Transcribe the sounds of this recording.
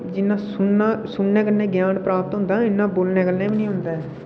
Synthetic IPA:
d͡ʒɪnːãːsʊːãːsʊnːẽːkəlnẽːɡjaːnpɾaːpət̪ɦʊ̃nd̪aːɪnːãːboːlnẽːkəlnẽːbinĩːɦʊnd̪aːɛː

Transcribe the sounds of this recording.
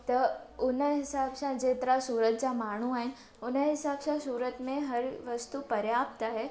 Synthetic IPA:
t̪ɐʊnəɦɪsaːbsãd͡ʑeːt̪əɾasuːɾət̪̚d͡ʑamaːɽ̤̃uaːɦɪn | ʊnəɦɪsaːbsãsuːɾət̪mẽɦɐɾʋɐst̪upɐɾjaːp̚t̪aɦɛː

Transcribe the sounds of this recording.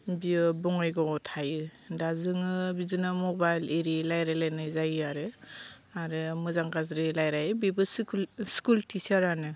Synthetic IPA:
biɯbɔŋajɡɔɔtʰajɯ | dazɯŋɯbizɯnɯmɔbajleɾilajɾajlajnɯzajɯaɾɯ | aɾɯmɯzaŋɡazɾilajɾajɯbibɯsskultʰisaɾanɯ

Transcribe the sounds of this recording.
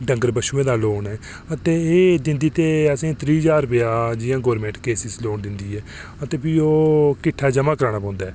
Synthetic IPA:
ɖəŋɡəɾbəʃuːẽːd̪aːloːnɛː | ət̪eːeːd͡ʒ̪ɪnd̪iːt̪eːəsĩːt̪ɾiːzaːɾʊpɪjaːd͡ʒɪjãːɡoːɾmẽːɳʈkeːsɪsloːnd̪ɪnd̪iːɛːət̪eːpiːoːkɪʈʰːaːd͡ʒəmaːkəɾaːɳaːpɔ̃ːnd̪aːɛː

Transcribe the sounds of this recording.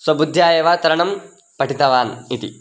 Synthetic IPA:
swɐbud̪ʱjaːjeːʋaːt̪ɐɾɐɳɐm | pɐʈit̪ɐʋaːnit̪ḭ

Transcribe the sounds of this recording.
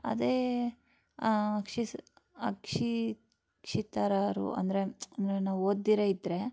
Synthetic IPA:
ɐ̰d̪eː | ɐkʂiɐ̰kʂi | kʂit̪aɾaːɾṵʔɐ̰nd̪ɐɾeɐnd̪ɐɾenaːʋuoːd̪ːiɾeid̪ɾe

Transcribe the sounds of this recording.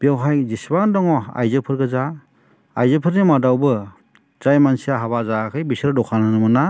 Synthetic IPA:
b̥iawɦajzisbandɔŋɔa̰jzɯpʰɯɾɡɯza | ajzɯpʰɯɾnimadawbɯ | z̥ajmansijaɦaβazakʰɯjbisɾdɔkʰanɯnɯmɯna

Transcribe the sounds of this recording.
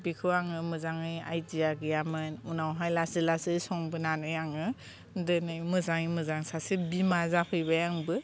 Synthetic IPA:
bikʰɯaŋɯmɯzaŋɯja̰jdijaɡijamɯnunawɦajlasilasɯjsɔŋbɯnanɯjaŋɯ | dɯnɯjmɯzaŋimɯzaŋsasibimazapʰɯjbajaŋbɯ

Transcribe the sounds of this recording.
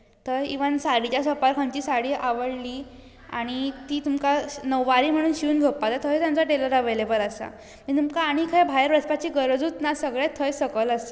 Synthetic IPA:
t̪əɾḭʋənsaɽit͡ɕjasəpaɾkʰãɲt͡ɕiːsaɽiːʔaʋəɽliː | a̰ɽ̃it̪iːt̪umkanəʋʋaɾiːm̤əɽ̃uːnɕuːnd͡zʱopːat̪at̪ʰəjt̪jamt͡saʈeləɾəʋelebələsa̰ | mĩt̪umkaːɽ̃ikʰəjbʱajəɾbɾəsʰpat͡ɕiːɡəɾəd͡zut̪nasəɡɭet̪ʰəjsəkələs

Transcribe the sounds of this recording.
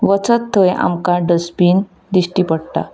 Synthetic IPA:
ʋət͡sət̪ʰːəja̰mkãɖəspiːn | d̪iɕʈiːpəɽʈ̪a̰

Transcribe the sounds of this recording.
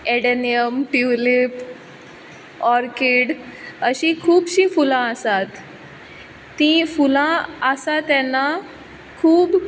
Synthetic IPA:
eɽenijəmʈiwlip | ɔɾkiɽəɕĩkʰuːbɕĩfulãəsat̪ | ĩfulãəsat̪ɛna | kʰuːb

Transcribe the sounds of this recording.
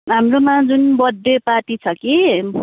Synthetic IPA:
ɦamromãd͡zunbʌd̪ʱːepaʈit͡sʰʌki

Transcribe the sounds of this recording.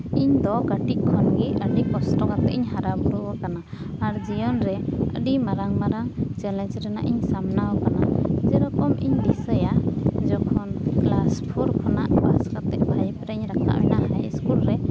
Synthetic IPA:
iɲd̪ɔɡaʈikʰːɔnɡiəɖikɔsʈɔkat̪ɛʔiɲɦaɾabuɾuwɔkanaː | ɾd͡ʒijɔnɾɛə̰ɖimaɾaŋmaɾaŋt͡ʃɛlɛnsɾɛna̰ʔiɲsamnawɔkanad͡ʒɛɾɔkɔmʔḭɲd̪isəjad͡ʒɔkʰɔnɡlaspʰuɾkʰɔnaʔbaskat̪ɛʔ̚bʱajpɾɛɲɾakʰa̰ʔɛnahajskulɾɛ

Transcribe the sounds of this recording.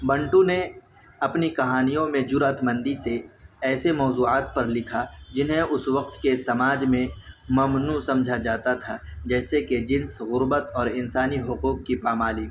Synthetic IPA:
bɐ̃ɳʈũne | ɐpnikɐɦaːnijõmẽd͡ʒʊɾət̪mə̃nd̪iseɛːsemɔːzuːaːt̪̚pɐɾlɪkʰad͡ʒɪnɦẽʊsʋɐq̚t̪kesɐmaːd͡ʒmẽmɐmnusɐ̃md͡ʒʱad͡ʒaːt̪at̪ʰad͡ʒɛːseked͡ʒɪ̃nsɣʊɾbət̪ɔːɾɪnsaːniɦʊquːqːipaːmaːliː

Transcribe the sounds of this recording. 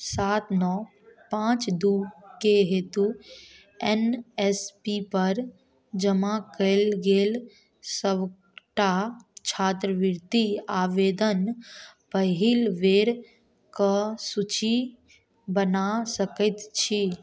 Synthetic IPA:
saːt̪nɔ | pãːt͡ʃd̪uːkeɦeːt̪u | enespipəɾ | d͡ʒəmakəɪlɡeːl | səʋ | ʈat͡ʃʰaːt̪ɾəʋɪɾt̪iaːʋeːd̪ənpəɦilʋeːɾ | kəsut͡ʃi | bənasəkət̪t͡ʃʰi

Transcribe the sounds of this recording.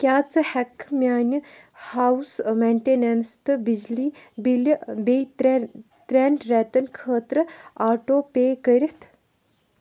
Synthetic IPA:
kʲaːt͡sɨhɛkmʲaːnʲi | hawsmeɳʈeːnenst̪ɨbid͡ʒliːbilbej | t̪ɾɛɳɖɾɛːt̪ɐnkʰəːt̪ɾɨaːʈoːpeːkəɾʲit̪ʰ

